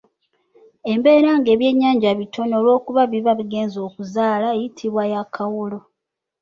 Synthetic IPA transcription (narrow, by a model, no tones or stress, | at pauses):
e̞mbe̞ːɾaːŋɡe̞ːβje̞ːɲːaːɲɟaβitʰo̞noːlwo̞ːkuβaβiβaβiɡe̞ːnzo̞ːkuzaːlaejitʰiβwajakʰawulo̞